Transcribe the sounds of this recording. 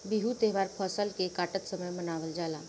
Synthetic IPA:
biɦut̪eɦʋaɾpʰəsəlkekaʈət̪səməjmənaːʋəld͡ʒala

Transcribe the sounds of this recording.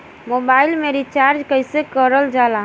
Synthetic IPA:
mobailmeɾit͡ʃaɾd͡ʒkəɪsekəɾəld͡ʒalaɦ

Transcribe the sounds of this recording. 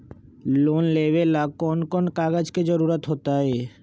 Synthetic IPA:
lonlebelakɔnkɔnkaɡad͡ʑked͡ʑɔɾuɾat̪ɦot̪ae

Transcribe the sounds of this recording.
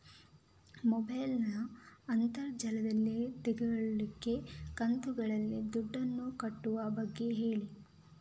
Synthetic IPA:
mɔbɐjlnɐːnt̪ɐɾd͡ʒɐlɐd̪ɐlːit̪iɡɐɡɐɭɐliɡe̞kɐnt̪uɡɐɭɐlːid̪uɖːɐnːukɐʈːuʋɐbɐɡːe̞ɦe̞ːɭi

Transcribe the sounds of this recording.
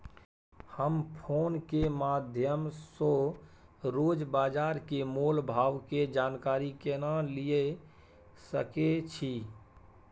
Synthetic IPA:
həmpʰonkemad̪ʱjəmso | ɾod͡ʒbad͡ʒaɾkemolbʱaʋked͡ʒankaɾikenalije | səket͡ʃʰi

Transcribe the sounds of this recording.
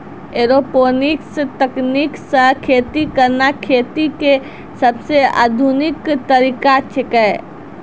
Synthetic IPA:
eːɾopoːnɪkst̪əkniksəkʰeːt̪ikəɾnakʰeːt̪ike | sɐbsea̰ːd̪ʱunɪkt̪əɾiːkat͡ʃʰekɛ

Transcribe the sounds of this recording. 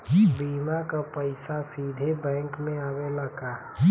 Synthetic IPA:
biːmakapəɪsasiːd̪ʱebɛ̃ːŋkmẽaːʋeləɡaː

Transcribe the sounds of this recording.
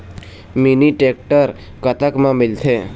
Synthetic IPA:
miniʈeːk̚ʈəɾ | kət̪əkmãmɪlt̪ʰeː

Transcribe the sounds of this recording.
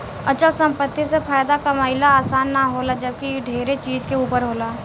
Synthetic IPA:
ət͡ʃəlsə̃mpət̪ːisepʰaːjd̪akamaːɪlaaːsaːnːaɦoːlad͡ʒəb̚kiɖʱeːɾet͡ʃiːd͡ʒkeuːpəɾɦoːlaː

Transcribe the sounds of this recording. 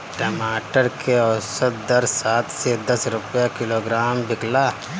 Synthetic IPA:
ʈɐmaːʈəɾkʰeɔsət̪̚d̪ɐɾsaːt̪ʰsed̪ɐsɾʊpjakɪloɡɾaːmbɪkla

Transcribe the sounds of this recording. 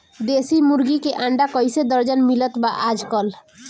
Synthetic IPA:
d̪esimuɾɡikeʔaɳɖakɔjsed̪əɾd͡ʒanmilət̪baʔad͡ʒkɔl

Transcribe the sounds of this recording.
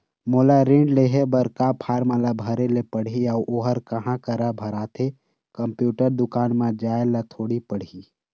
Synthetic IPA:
moːlaɾẽːɳɖleɦebəɾkapʰaːɾmãlabʱəɾelepəɽ̤iaʔoːɦəɾkəɦãkəɾabʱəɾaːt̪ʰe | kə̃mpjuːʈəɾd̪ʊkaːnmãd͡ʒaːelat̪ʰoːɽipəɽ̤i

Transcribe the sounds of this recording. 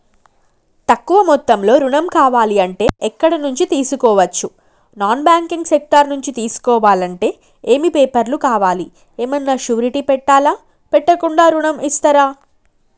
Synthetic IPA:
t̪ɐkːuʋɐmɔt̪ːɐmlo̞ːɾuɳɐmkaːʋaːliɐɳʈe̞̰ːʔɛkːɐɽɐnuɲt͡ʃit̪iːsukɔːʋɐt͡ʃːu | naːnbaːŋkiŋɡsek̚ʈɐɾnuɲt͡ʃit̪iːsu̥kɔːʋaːlɐɳʈe̞ː | eːmipeːpɐɾlukaːʋaːli | eːmɐnːaːʃuːɾiʈipɛʈːaːlaː | pɛʈːɐkuɳɖaːɾuɳɐmist̪ɐɾaː

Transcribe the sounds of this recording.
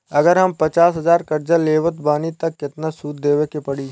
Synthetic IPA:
ɐɡəɾɦɐmpɐt͡ʃaːsɦɐzaːɾkɐɾd͡ʒaleːʋət̪baːnit̪ɐkːɪt̪nasuːt̪̚d̪eːwekepɐɽiː

